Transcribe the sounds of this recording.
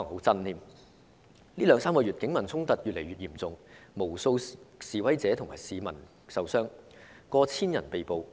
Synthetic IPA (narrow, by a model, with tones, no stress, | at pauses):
ɐ˨˩ŋho˨˥wt͡sɐ˥nniː˨˧m | liː˥lœː˨˧ŋsaː˥mkɔː˧ɥy˨t̚kɪ˨˥ŋmɐ˨˩nt͡sʰʊ˥ŋt̪ɐ˨t̚jy˨t̚le˨˩jɥyː˨t̚jiː˨˩mt͡sʊ˨ŋmo˨˩wso˧wsiː˨wɐ˥jt͡sɛː˨˥t̪ʰʊ˨˩ŋmaː˨˩jsiː˨mɐ˨˩n | sɐ˨wsœː˥ŋ | kɔː˧t͡sʰiː˥njɐ˨˩npe˨jpo˨w